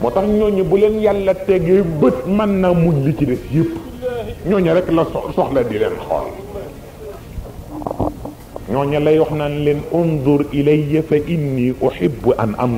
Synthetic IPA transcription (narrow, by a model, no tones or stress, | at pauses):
mɔtɐxɲɔɲɐbulenjalːɐtɛɡɐbət̚mɐnːamuɲlicidɛsjəpː | ɲɔːɲɐɾɛkːlɐsɔsɔxlɐdilɛnxɔ̰l | ɲɔːɲɐlɐjɔxnanlenunduɾilɐjːɐfɐʔinːiːʔʊħibːuʔɐ̰nʔɐ̰m